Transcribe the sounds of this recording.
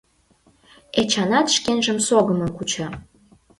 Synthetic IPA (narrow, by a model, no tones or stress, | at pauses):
et͡ɕɑnɑt̪ʃkenʒəmsoɣəməmkut͡ɕɑ